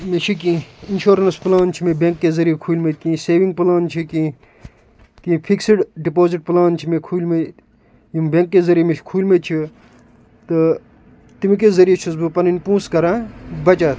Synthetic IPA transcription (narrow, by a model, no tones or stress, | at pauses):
met͡ʃʰik̬ĩinʃoːɾɐnsplaːnt͡ʃʰimebeŋkːezɐɾijekʰuːlmekĩːseːʋĩŋɡ̚plaːnt͡ʃʰikĩ | k̪ĩpʰiksiʈɖipoːziʈ̚plaːnt͡ʃʰimẽkʰuːlme | jimbeŋkːezɐɾijemet͡ʃʰkʰuːlʲmet͡ʃʰi | t̪ɨ | t̪imik̬ezɐɾijet͡ʃʰusbɨpɐninʲpũːskɐɾãːbɐt͡ʃat̪